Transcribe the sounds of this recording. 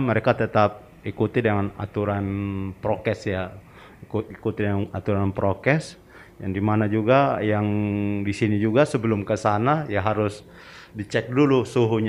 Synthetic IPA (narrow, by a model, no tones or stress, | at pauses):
məɾekat̪ət̪ap̚ | ikut̪idəŋana̰t̪uɾanpɾokɛsja | kuikut̪idəŋanat̪uɾanpɾokɛs | jaŋdimanad͡ʒuɡajaŋdisinid͡ʒuɡasəbəlʊmkəsanajaɦaɾʊs | dit͡ʃɛk̚dulusuɦuɲ